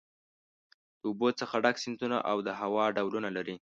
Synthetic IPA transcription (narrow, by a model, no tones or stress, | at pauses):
d̪̥əubot͡səxaɖaksɪnt̪una̰ʔawd̪əɦawɑɖawlunalaɾi